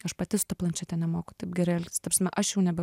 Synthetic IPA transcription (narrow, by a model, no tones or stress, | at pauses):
ɐʃpɐt̪ʲɪsʊ̥t̪ɐplˠɐnʲt͡ʃʲɛt̪ʲɛnʲɛmoːkʊt̪ɐɪpɡʲɛɾɪɐlʲkʲst̪ɐpɾʲɐsmʲɛʔɐʃjɛʊnʲɛbʲɛ